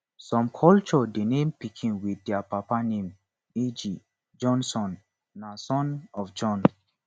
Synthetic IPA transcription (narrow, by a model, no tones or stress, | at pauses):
sɔ̃mkʰɔlt͡ʃɔdenẽmpikʰĩnwidɛapapanẽm | ed͡ʒi | d͡ʒɔ̃nsɔ̃nː | asɔ̃nɔfd͡ʒɔ̃n